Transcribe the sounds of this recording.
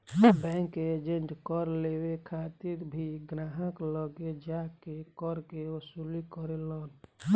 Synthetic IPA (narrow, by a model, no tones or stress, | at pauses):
bɛ̃ŋked͡ʒenɖkəɾlewekʰat̪iɾbʱiɡɾaɦəkləɡed͡ʒakekəɾkeosulikəɾelən